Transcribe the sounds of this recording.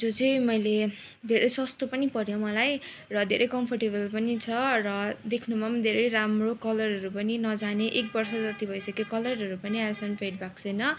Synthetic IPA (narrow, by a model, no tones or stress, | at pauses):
d͡zot͡sʌj̃mʌjle | d̪ʱeɾʌjsʌst̪opʌnipʌɾjomʌlaj | rʌd̪ʱeɾʌjkʌmpʰʌrʈeβʌlpʌnit͡sʰʌrʌd̪ekʰnumamd̪ʱeɾʌjɾamrokʌlʌrɦʌɾupʌninʌd͡zaneʔek̚bʌrsʌd͡zʌt̪ibʱʌjsʌkekʌlʌɾɦʌɾupʌnialsʌnpeʈ̚bak̚sʌjnʌ